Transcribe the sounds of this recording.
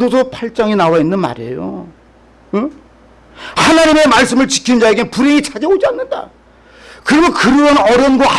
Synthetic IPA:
osʰopʰaɭt͡ɕ͈aŋinawainːɯnma̰ɾḛjo̰ | hanaɲime̞maɭs͈ɯmɯɭt͡ɕi̥kʰinnd͡ʑae̞ɡenpuɾeit͡ɕʰad͡ʑeod͡ʑianːɯnda̰ | kɯɾiɡokɯɾʌʌnʌɾjʌnɡaa

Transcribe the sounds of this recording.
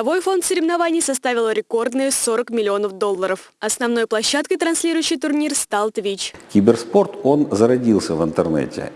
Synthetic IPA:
ɐvo̞jfo̞nt̪səɾʲɪvnɐvanʲɪjəsɐst̪avʲɪlˠəɾʲɪko̞rd̪nɨjəso̞ɾəkmʲɪlʲɪo̞nəfd̪o̞lˠːəɾəf | ɐsnɐvno̞jplˠɐɕːat̪̚kəjt̪ɾɐnsʲlʲiɾʊjʏɕːɪjt̪ʊrnʲirst̪alˠt̪vʲit͡ɕkʲɪbʲɪrspo̞rt̪o̞nzəɾɐdʲilˠsʲəvɨnt̪ərnɛ̰tʲɪ̰

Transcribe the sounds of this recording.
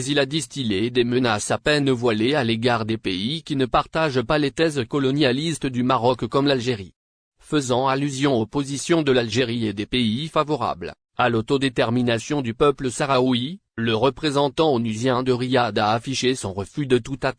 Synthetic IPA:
mɛzilad̪ist̪iled̪emənasapɛnvwalealeɡaʁd̪epeikʲinəpaʁt̪aʒpalet̪ɛzkɔlɔnjalist̪əd̪ymaʁɔkkɔmlalʒeʁḭ | fəzɑ̃alyzjɔ̃opozisjɔ̃d̪əlalʒeʁied̪epeifavɔʁa̰bl | alot̪od̪et̪ɛʁminasjɔ̃d̪ypœpləsaʁawi | ləʁəpχezɑ̃t̪ɑ̃onyzjɛ̃d̪əʁiad̪aːfiʃesɔ̰̃ʁəfyd̪ət̪ut̪at̪

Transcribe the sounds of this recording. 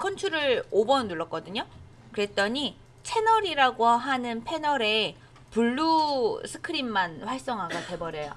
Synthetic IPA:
kʰʌnt͡ɕʰuɾɯɭobʌnːuɭːʌk͈ʌdɯɲo | kɯɾe̞t͈ʌɲi | t͡ɕʰe̞nʌɾiɾaɡoɦanɯnpʰe̞nʌɾe̞ | puɭːusʰɯ̥kʰɯɾimːanɸwaɭs͈ʌŋɦaɡate̞bʌɾejo

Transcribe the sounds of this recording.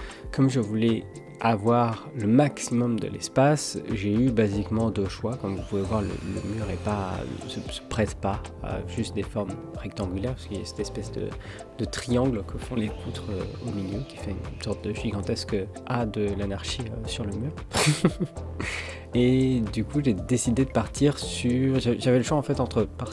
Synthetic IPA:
kɔmʒəvulɛ | avwaʁləmaksimɔmd̪ə̰lɛspasʒeybazikmɑ̃d̪øʃwakɔmvupuvɛvwaʁlə̰lə̰myːʁɛpa̰səsə̥pχɛt̪paa̰ʒyst̪̚d̪efɔʁmʁɛkt̪ɑ̃ɡʲylɛʁpskəlasɛ̥t̪ɛspɛsd̪ə̰ | d̪̥ət̪χijɑ̃ɡlkʰəfɔ̃lefut̪χøomiljøkʲi̥fɛynsɔʁt̪̚d̪əʒiɡɑ̃t̪ɛsk | ad̪əlanaʁʃiøsyʁləmyːʁ | ed̪ykuʒed̪esid̪ed̪əpaʁt̪ʰiʁsyʁʒaʒavɛləʃwaɑ̃fɛt̪ɑ̃t̪χəpaʁ

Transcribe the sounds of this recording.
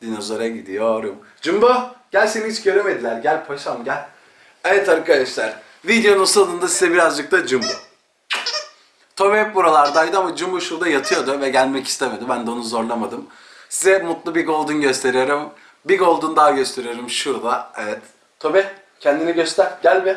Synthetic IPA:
d̪inozoɾaɟid̪ijo̞ɾum | d͡ʒumbuɟ̥ælʲseniit͡ʃɟø̞ɾeme̞d̪ilʲæɾɟælʲpʰoʃamɟælʲ | evɛt̪ʰaɾɯkʰːad̪ɛʃlæɾ̥ | vid̪ejo̞nunsad̪ɯnd̪asizɛbiɾazd͡ʒɯk̚t̪ʰad͡ʒumbu | t̪ʰo̞βɛpbuɾalˠaɾd̪ajd̪ɯamad͡ʒumbuʃuɾd̪ajat̪ʰɯjo̞ɾd̪ʊvɛɟælʲmɛci̥st̪ʰeme̞d̪ibænd̪ɛonuzo̞ɾlˠamad̪ɯm | sizɛmut̪lˠubiɡo̞lˠd̪unɟøst̪ʰe̞ɾijo̞ɾum | biɡo̞lˠd̪und̪aːɟø̞st̪ʰe̞ɾijo̞ɾumʃuɾd̪aevɛt̪ʰː | o̞bɛ | cʰɛnd̪iniɟøst̪ʰæɾɟælʲmɪ

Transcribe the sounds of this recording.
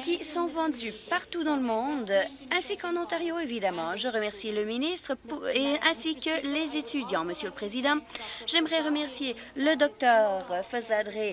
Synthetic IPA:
kʲisɔ̃vɑ̃d̪ypaʁt̪ud̪ɑ̃ləmɔ̃d̪ | ɛ̃sikɑ̃nɔ̃t̪aʁjoevid̪amɑ̃ʒəʁəmɛʁsiləminist̪χəpeɛ̃sikəlezet̪yd̪jɑ̃məsjøləpχezid̪ɑ̃ʒɛmʁɛʁəmɛʁsje | ləd̪ɔk̚t̪œːʁfɔzad̪ʁe

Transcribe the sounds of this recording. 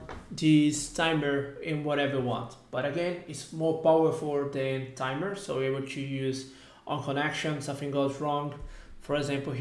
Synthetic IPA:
d̪iztʰãɪmə˞ɪ̃nwɔɾɛvə˞wɑ̰̃nt | b̥ʌɾɨɡɛ̃nɪtsmɔɹpawə˞fulˠd̪ɛ̃ntʰãɪmə˞soʊebəl̩ˠtʰujʉz | ʔɔ̃nkʰɔ̃nɛkʃə̃nsʌ̃mθɪ̃ŋɡolsɹɔ̃ŋfɔɹɛɡzæ̃mpl̩

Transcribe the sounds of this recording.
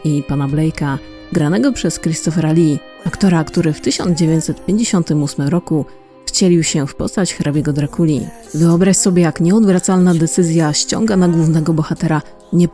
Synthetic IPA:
ipanablɛjka | ɡɾanɛɡɔpʂɛskɾʲist̪ɔfɛɾalʲi | akt̪ɔɾakt̪uɾɘft̪ɘɕɔ̰nd̪d͡ʑevʲjeɲt͡ɕsɛt̪pʲjeɲd͡ʑeɕɔnt̪ɘmusmɘmɾɔku | xt͡ɕɛlʲiwɕɛfpɔ̰st̪at͡ɕxɾabʲjɛɡɔd̪ɾakʰulʲḭ | vɘɔbɾaɕsɔbʲjɛjakɲɛɔd̪vɾat̪salnad̪ɛt̪sɘzʲjaɕt͡ɕɔ̰ŋɡanaɡwuvnɛɡɔbɔxat̪ɛɾa | ɲɛp

